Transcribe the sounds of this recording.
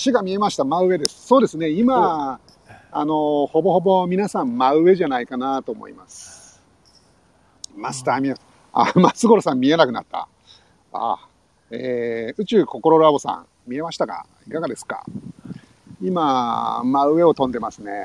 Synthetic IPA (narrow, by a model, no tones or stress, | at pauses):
ɕiɡamʲie̞maɕi̥t̪amaɯ̟βe̞d̪e̞sɨ̥so̞ːd̪e̞sɨne̞ima | no̞ho̞bo̞ho̞bo̞mʲinasãmmaɯ̟e̞ʑanaikanat̪o̞ːmo̰ḭmasɨ̥ | masɨ̥t̪aːmʲia | a̰masɨɡo̞ɾosãmːʲie̞nakɯ̟na̰t̪ːa̰ | a̰ | eːɯ̟t͡ɕɨːko̞ko̞ɾo̞ɾabo̞sã̰ŋ | mʲie̞maɕi̥t̪aka̰ | ikaɡad̪e̞sɨ̥ka̰ | imamaɯe̞o̞t̪õ̞nd̪e̞masɨne̞̰